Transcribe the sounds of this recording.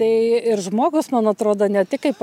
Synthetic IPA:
t̪ɐɪɪɾʒmoːɡʊsmɐnɐt̪ɾoːd̪oːnʲɛt̪ʲɪkɐɪpp

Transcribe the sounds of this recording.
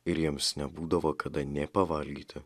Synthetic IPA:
ɪɾjiɛmsnʲɛbuːd̪ɐʋoːkʰɐd̪ɐnʲɛpɐʋɐlʲɡʲiːt̪ʲɪ

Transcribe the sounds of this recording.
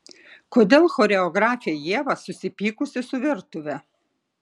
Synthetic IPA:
koːd̪ʲeːlˠxoːɾʲɛɔɡɾɑːfʲɪjɛjiɛʋɐsʊsʲɪpʲiːkʊsʲɪsʊʋʲɪɾt̪ʊʋʲɛ

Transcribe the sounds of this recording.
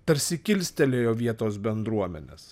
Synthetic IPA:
p̪ɐɾʲsʲɪkʲɪlʲsʲt̪ʲɛlʲeːjoːʋʲiɛt̪oːsbʲɛnd̪ɾuɔmʲɛ̰nʲḛːs

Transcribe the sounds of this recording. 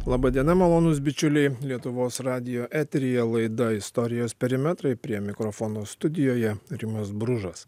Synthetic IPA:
lˠɑːbɐd̪ʲiɛnɐmɐlˠoːnʊs̬bʲɪt͡ʃʲʊlʲɛɪlʲiɛt̪ʊʋoːsɾɑːd̪ʲɪjoːʔæːt̪ʲɾʲɪjɛlˠɐɪd̪ɐɪst̪ɔɾʲɪjoːspʲɛɾʲɪmʲɛt̪ɾɐɪpʲɾʲiɛmʲɪkɾɔfɔːnoːst̪ʊd̪ʲɪjoːjɛɾʲɪmɐsbɾʊʒɐs

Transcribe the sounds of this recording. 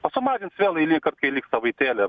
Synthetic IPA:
pɐsʊmɑːd͡ʒʲɪnt̪sʲʋʲeːlˠɐɪnʲɛːkɐrt̪̚kɐɪlʲiːksɐʋɐɪt̪ʲeːlʲɪ

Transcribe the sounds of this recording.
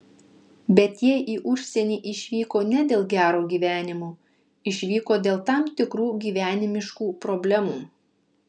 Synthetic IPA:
bʲɛt̪jiɛʔiːʔʊʃʲsʲɛnʲiːʔɪʃʲʋʲiːkoːnʲɛd̪ʲeːlˠɡʲæːɾoːɡʲiːʋʲæːnʲɪmoː | ɪʃʲʋʲiːkoːd̪ʲeːlˠt̪ɑmt̪ʲɪkɾuːɡʲiːʋʲæːnʲɪmʲɪʃkuːpɾɔbʲlʲɛmuː

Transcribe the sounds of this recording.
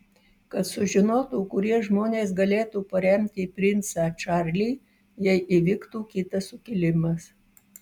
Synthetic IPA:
kɐt̪sʊʒʲɪnoːt̪uːkʊɾʲiɛʒmoːnʲeːsɡɐlʲeːt̪uːpɐɾʲɛmʲt̪ʲɪpʲɾʲɪnt̪sɑːt͡ʃɑˑɾʲlʲiː | jɛɪʔiʋʲɪkt̪uːkʲɪt̪ɐsʊkʲɪlʲɪmɐs

